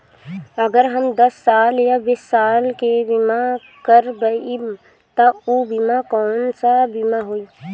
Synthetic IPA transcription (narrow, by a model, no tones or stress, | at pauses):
əɡəɾɦəmd̪ɐsːaːljabɪsːaːlkebɪma | kəɾbəi | t̪ɐubɪmakɔːnsabɪmaɦoi